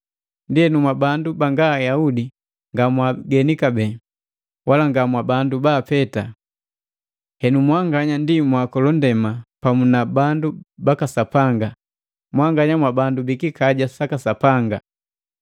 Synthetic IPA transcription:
ndihɛnumwabandubaŋɡaːjaudi | ŋɡamwaɡɛnikabɛ | walaŋɡamwabandubaːpɛta | hɛnumwaŋɡaɲandimwakɔlɔndɛmapamunabandubakasapaŋɡa | mwaŋɡaɲamwabandubikikaɟasakasapaŋɡa

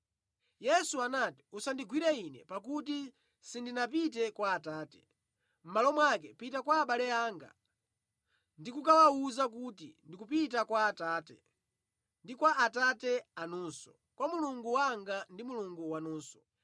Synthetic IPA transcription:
jɛsuanati̥usandiɡwiɾɛinɛ̰pak̬uti | sindinapit̬ɛkwaːtaːtɛ̥ | m̩malɔmwakɛpitakwaːɓalɛaːŋɡa̰ | ndikukawauzak̬utḭndikupitakwaːtaːtɛ | ndikwaːtatɛanunsɔ̥ | kwamuluŋɡuwaŋɡandimuluŋɡuwanuːnsɔ̥

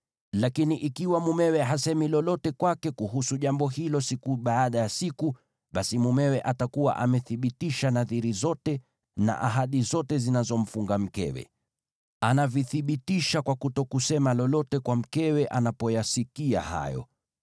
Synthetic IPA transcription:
lakiniʔikiwamumɛwɛɦasɛmilɔlɔtɛkwakɛkuɦusuʄambɔɦilɔsikuɓaːɗajasiku | ɓasimumɛwɛʔatakuwa̰ʔamɛθiɓitiʃanaðiɾizɔtɛ | na̰ʔa̰ɦaɗizɔtɛzinazɔm̩fuŋɡam̩kɛ̰wɛ̰ | anaviθiɓitiʃakwakutɔkusɛmalɔlɔtɛkwam̩kɛwɛʔanapɔjasikia̰ha̰jɔ̰

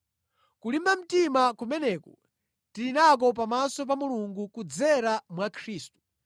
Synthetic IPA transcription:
kulimam̩timakumɛnɛːkɔ | tilinak̬ɔp̬amasɔp̬amuluŋɡukud͡zɛɾamwakʰɾiːstu̥

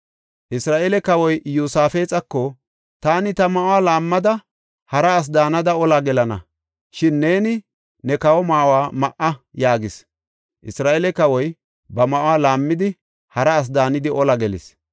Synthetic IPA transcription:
ʔɪsɾaːʔelɛkɐwɔjjuːsaːfeːt͡sʼɐkːɔ | t̪aːnɪt̪ɐmɐʔʊwaːlaːmːɐd̪ɐ | hɐɾɐːs̬d̪aːnɐd̪ɐɔlɐɡɛlɐnɐ̰ | ʃɪnːe̞ːnɪ | nɛkɐwɔmaːwaːmɐʔɐjaːɡɪs | ʔɪsɾaːʔelɛkɐwɔj | bɐmɐʔʊwaːlaːmːɪd̪ɪ | hɐɾɐːs̬d̪aːnɪd̪ɪʔɔlɐɡɛlɪs

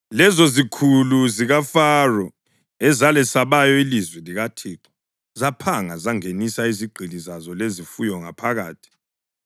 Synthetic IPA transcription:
lɛzɔzikʰuluziɣafarɔ | ɛzalɛsaβajɔilizwɛliɣatʰiːǁɔ | zapʰaŋazaŋenisaiziɡ͡ǃʱilizazɔlezifujɔŋa̰pʰaɣaːtʰi̥

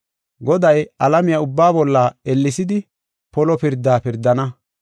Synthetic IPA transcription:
ɡɔd̪ɐjɐlɐmɪjɐʊbːaːbɔlːɐɛlːɪsɪd̪ɪ | pɔlɔpɪɾd̪ːaːpɪɾd̪ːɐnɐ

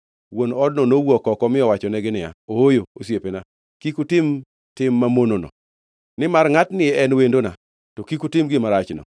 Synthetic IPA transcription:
wonɔdnɔnowɔkɔkɔmɪɔwat͡ʃɔnɛɡɪnɪja̰oojoos̬jepena | kikutɪm | tɪmːamononɔ̰ | nɪmarŋatnɪɛɛnwendona | tɔkikutɪmɡɪmaɾat͡ʃnɔ̰

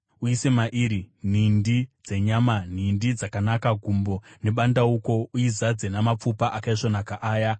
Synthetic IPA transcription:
uise̞maʔiɾin̤indid͡ze̞ɲaman̤indid͡zakanakaɡʱumbo̞ne̞ɓandauko̞uizad͡zenamap͡fupaʔakaiʂo̞nakaʔaːja

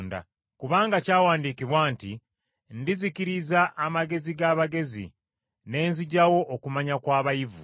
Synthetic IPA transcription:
nda̰ | kuβaːŋɡacaːwaːndiːkiβwaːnti | ndizikiɾizaʔːmaɡe̞ziɡaːβaɡe̞zḭ | ne̞ːnziɟawo̞ʔːkumaɲakwaːβajivṵ

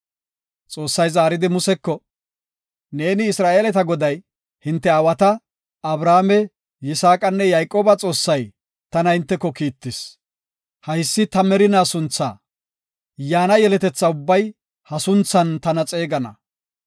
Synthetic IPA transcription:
t͡sʼo̞ːsːɐjzaːɾɪd̪ɪmʊsɛkːɔ | ne̞ːnɪːsɾaːʔeːlɛt̪ɐɡɔd̪ɐj | hɪnt̪ːɛɐwɐt̪ɐ | ɐbɾaːmɛ | jɪsaːkʼɐnːɛjajkʼːo̞ːbɐt͡sʼo̞ːsːɐj | t̪ɐnɐhɪnt̪ːɛkːɔkiːt̪ːɪs | hɐjsːɪt̪ɐmɛɾɪnaːsʊnt͡sːa̰ː | jaːnɐjɛlɛt̪ɛt͡sːɐʊbːɐj | hɐsʊnt͡sːɐnt̪ɐnɐt͡sʼe̞ːɡɐnɐ̰

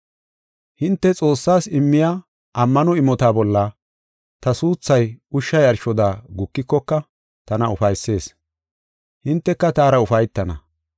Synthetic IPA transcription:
hɪnt̪ːɛt͡sʼo̞ːsːaːsɪmːɪja | ʔɐmːɐnɔɪmɔt̪aːbɔlːɐ | t̪ɐsuːt͡sːɐjʊʃːɐjɐɾʃɔd̪aːɡʊkːɪkːɔkːɐ | t̪ɐnɐʊfɐjsːe̞ːs | hɪnt̪ːɛkːɐt̪aːɾɐʊfɐjt̪ːɐnɐ

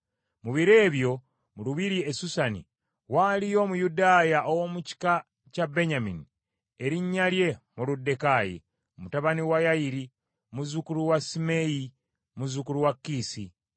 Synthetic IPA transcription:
muβiɾe̞ːβjo̞ | muluβiɾiesusanḭ | walijo̞ːmujudaːjaʔowomuci̥ka | cabe̞ɲamini | eɾiɲːalje̞muludːe̞kaːjḭ | mutaβaniwajajiɾi | muzukuɾuwasimeji | muzukuɾuwakːiːsi

